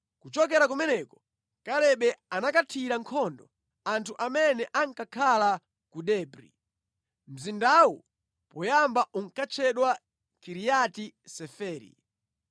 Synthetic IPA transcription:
kut͡ʃɔkɛɾakumɛnɛkɔ̥ | kalɛɓɛanakatʰiɾaŋkʰɔndɔ | antʰuʔamɛnɛʔaŋkakʰala | kuɗɛːbɾḭ | m̩zindawṵ | pɔjambaʔuŋ̩kat͡ʃʰɛɗwa | kiɾijatisɛfɛːɾḭ

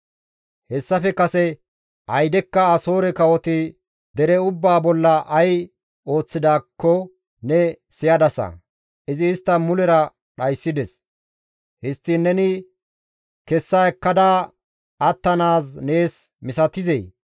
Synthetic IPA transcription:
hɛsːɐfɛkɐsɛ | ɐjd̪ɛkːɐɐso̞ːɾɛkɐwɔt̪ɪ | d̪ɛɾɛʊbːaːbɔlːɐʔɐj | o̞ːt͡sːɪd̪aːkːɔ | nɛsɪjɐd̪ɐsɐ̰ | ɪzɪːst̪ːɐmʊlɛɾɐ | ɗɐjsːɪd̪ɛs | hɪst̪ːɪnːɛnɪ | kɛsːaɛkːɐd̪aː | ɐt̪ːɐnaːsne̞ːsmɪsɐt̪ɪzej

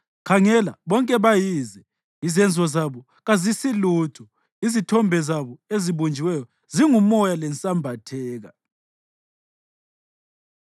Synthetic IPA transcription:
kʰaŋɛlaβɔŋkʼɛβajizɛ | izɛnd͡zʱɔzaβɔ | ɣazisiluːtʰɔ | izitʰɔmbʱɛzaβɔeziβond͡ʒʱiwɛjɔ | ziŋumɔjalɛnt͡sʼambʱatʰɛːɣa̰

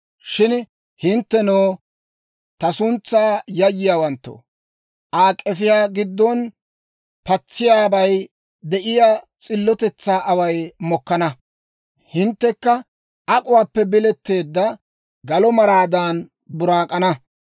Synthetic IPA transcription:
ʃɪn | hɪnt̪ːɛnoː | t̪ɐsʊnt͡sːaːjɐjːɪjaːwɐnt̪ːo̰ | ʔaːkʼːɛfɪjaːɡɪd̪ːɔn | pɐt͡sːɪjaːbɐj | d̪ɛʔɪja | t͡sʼɪlːɔt̪ɛt͡sːaːʔɐwɐjmɔkːɐnɐ | hɪnt̪ːɛkːɐ | ʔɐkʼʊwaːpːɛbɪlɛt̪ːe̞ːd̪ːɐ | ɡɐlɔmɐɾaːd̪aːn | bʊɾaːkʼɐnɐ

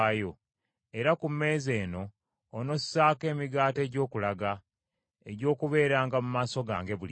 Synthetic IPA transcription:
jo | e̞ɾakumːe̞ːze̞ːno̞ː | no̞sːaːke̞ːmiɡaːte̞ːɟo̞ːkulaɡa | eɟo̞ːkuβe̞ːɾaːŋɡamumaːso̞ɡa̰ːŋɡe̞βuli

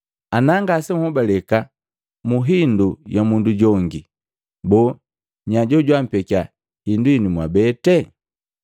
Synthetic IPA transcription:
anaŋɡasɛm̩hɔbalɛka | muɦindujamunduɟɔŋɡi | bɔ | ɲaɟɔɟwam̩pɛka | hinduinimwabɛtɛ

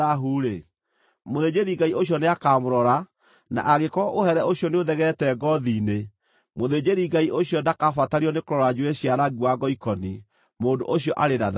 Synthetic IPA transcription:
aɦuːɾe | moðed͡ʑeɾiɡaioɕijɔneakaːmoɾɔɾa | na̰ʔaɣekɔʔohɛɾɛoɕjɔneoðɛɣɛtɛɡɔðiːne | moðed͡ʑeɾiɡaiʔoɕiɔndakafataɾiɔnekoɾɔɾad͡ʒuweɕiaɾaɣiwaɡɔikɔni | moːdo̰ʔoɕjɔʔaɾenað

